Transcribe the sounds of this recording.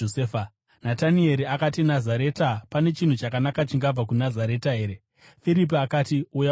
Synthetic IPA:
oeːfa | natanie̞ɾiakatinazaɾe̞ːtapane̞t͡ʃin̤ut͡ʃakanakat͡ʃiŋɡab͡vak̬unazaɾe̞taɦe̞ːɾe | fiɾip̬iakatiuja

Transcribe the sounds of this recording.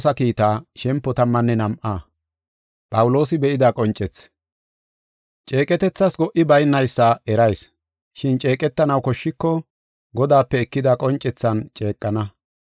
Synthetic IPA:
sɐkiːt̪aːʃɛmpːɔt̪ɐmːɐnːɛnɐmʔaː | pʼɐwʊlo̞ːsɪbɛʔɪd̪akʼɔnt͡ʃʼɛt͡s | t͡ʃʼe̞ːkʼɛt̪ɛt͡sːɐsɡɔʔɪbɐjnːɐjsːɐɛɾɐjs | ʃɪnt͡ʃʼe̞ːkʼɛt̪ːɐnɐwkɔʃːɪkːɔ | ɡɔd̪aːpːɛɛkːɪd̪ɐkʼɔnt͡ʃʼːɛt͡sːɐnt͡ʃʼe̞ːkʼːɐnɐ

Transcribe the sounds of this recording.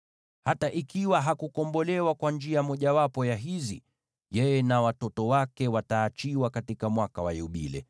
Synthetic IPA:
hataʔikiwaɦakukɔmbɔlɛwakwand͡ʒiamɔʄawapɔjaɦizi | jɛjɛnawatɔtɔwakɛwataːt͡ʃiwakatikamwakawa̰jɛuɓilɛ̰

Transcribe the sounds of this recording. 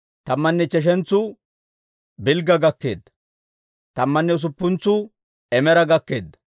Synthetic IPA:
t̪ɐmːɐnːɛt͡ʃɛʃ̬ɛnt͡sːʊ | bɪlɡɐɡɐkːeːd̪ɐ̥ | t̪ɐmːɐnːɛʊs̬ʊpːʊnt͡sːʊ | ɛmɛɾɐɡɐkːe̞ːd̪ːɐ̥

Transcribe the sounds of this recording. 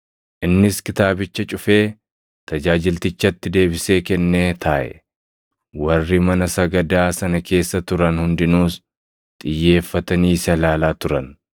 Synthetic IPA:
ʔɪnːɪskɪt̪aːbɪt͡ʃːɐt͡ʃʼʊfe̞ː | t̪ɐd͡ʒaːd͡ʒɪlt̪ɪt͡ʃːɐt̪ːɪd̪e̞ːbɪse̞ːkɛnːeːt̪ʰaːʔɛ̰ | wɐrːɪmɐnɐsɐɡɐd̪aːsɐnɐkʰe̞ːsːɐt̪ʊɾɐnhʊnd̪ɪnuːs | t̪ʼɪjːe̞ːfːɐt̪ɐniːsɐlaːlaːt̪ʊɾɐn

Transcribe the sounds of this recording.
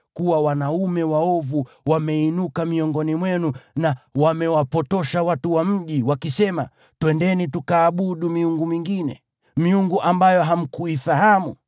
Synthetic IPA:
kuwawanaumɛwaɔvu | wamɛinukamiɔŋɡɔnimwɛnunawamɛwapɔtɔʃawatuwam̩ʄiwakisɛma | twɛndɛnitukaːɓuɗumiuŋɡumiŋɡinɛ̰ | miuŋɡuʔambajɔɦam̩kuifahamu

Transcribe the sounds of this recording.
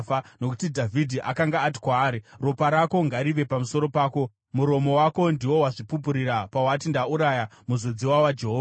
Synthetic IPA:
fano̞ku̥tidʱavʱidʱiʔakaŋɡaːt̬i̥kwaːɾiropaɾako̞ŋɡaɾiʋe̞pamuso̞ɾo̞paːko̞ | muɾo̞mo̞wako̞ndiwo̞waʐipup̬uɾiɾapawatindauɾajamuzod͡ziwawad͡ʒe̞ɦoːa

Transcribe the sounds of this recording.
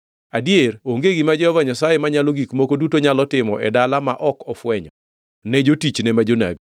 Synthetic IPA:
adieɾoŋɡeɡimad͡ʒɛhɔvaɲasajemaɲaloɡikmokodutoɲalɔtɪmɔʔɛdalamaʔɔkɔfwɛɲɔ | nɛd͡ʒotit͡ʃnɛmad͡ʒona̰ɡ

